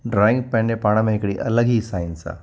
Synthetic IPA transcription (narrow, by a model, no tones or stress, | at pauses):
ɖɾaːɪ̃ŋɡpɛ̃ɳɖepaːɽ̃amẽɪkɽiʔələɡɦiːsaːɪnsa̰